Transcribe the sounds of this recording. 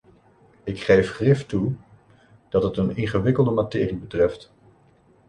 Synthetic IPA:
ɪkχejfχrɪftu | d̥ɑtɦətənɪŋχəʋɪkəlˠdəmatɪːribətrɛft

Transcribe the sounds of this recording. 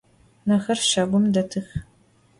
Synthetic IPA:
nɐxɐrʃɐɡʷʊmdɐtʰɨx

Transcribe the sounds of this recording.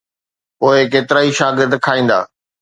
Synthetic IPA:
poːekeːt̪ɪɾaːiʃaːɡɪɾd̪kʰaːĩːn̆d̪a̰ː

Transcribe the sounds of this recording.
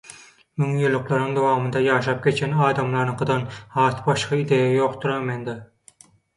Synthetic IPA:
myŋjylˠːʊqlˠɑɾnɨŋd̪owɑːmɨnd̪ɑjɑːʃɑp̚kʲʰet͡ʃkʲenɑːd̪ɑmlˠɑɾnɨqʰəd̪ɑnhɑːt̪bɑʃqɑid̪ejejoqt̪ʰuɾɑmend̪ɑ

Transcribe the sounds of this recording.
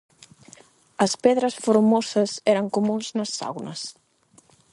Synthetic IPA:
əspɛðɾəsfuɾmosəzɛɾəŋkumunznəsːa̰wnəs

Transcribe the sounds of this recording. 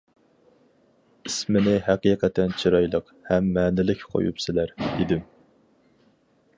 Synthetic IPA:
ismɪnɪɦæqiːqʰɛt̪ʰːɛnt͡ʃʰiɾɑjlˠəq | hɛmːæːnɪlɪkʲqʰo̰jṵpsɪlæɾid̪ɪm

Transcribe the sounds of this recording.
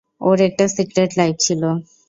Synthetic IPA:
oɾɛk̚ʈasikɾeʈlajb̚t͡ɕʰilo

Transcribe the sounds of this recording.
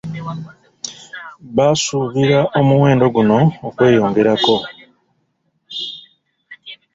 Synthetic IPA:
βasuβiɾaʔo̞muwe̞ːndo̞ɡuno̞ːkwe̞ːjo̞ːŋɡe̞ɾako̞

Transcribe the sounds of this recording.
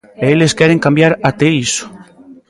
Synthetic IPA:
eeleskjɛɾeŋkambjaɾat̪eiso̥

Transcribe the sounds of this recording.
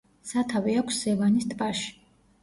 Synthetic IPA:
sat̪ʰaviakʷʰsz̥ɛvanist̪ʼbʼaʃi̥

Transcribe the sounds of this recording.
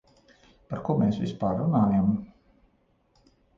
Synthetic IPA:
paɾkuɔmeːsvʲḭspaːɾːunaːjam

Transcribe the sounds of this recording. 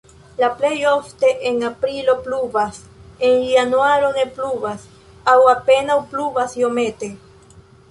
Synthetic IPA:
laplejoft̪eʔeŋapɾilopluβas | enianwaɾonepluβas | awapenawpluβasjomet̪e

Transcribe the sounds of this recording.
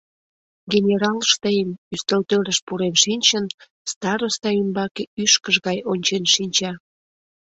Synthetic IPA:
ɡenʲeɾɑlʃt̪əjəmyst̪əlt̪øɾəʃpuɾemʃinʲt͡ɕən | st̪ɑɾost̪ɑymbɑkeyʃkəʒɣɑjonʲt͡ɕenʃinʲt͡ɕɑ

